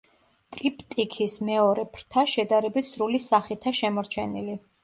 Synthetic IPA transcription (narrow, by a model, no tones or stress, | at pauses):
t̪ʼɾipʼt̪ʼikʰismɛɔɾɛpʰɾt̪ʰaʃɛd̪aɾɛbit̪ʰsɾulisaχit̪ʰaʃɛmɔɾt͡ʃʰɛnili